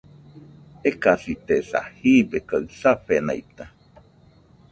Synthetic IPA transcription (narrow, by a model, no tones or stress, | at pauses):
ekasit̪esa̰hibekaɨsaɸena̰it̪a